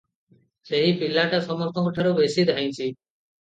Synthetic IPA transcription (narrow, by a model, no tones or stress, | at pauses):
seɦipilːaʈasɔmɔɾt̪ʰɔŋkɔʈʰaɾobesid̪ʱaj̃t͡ʃʰi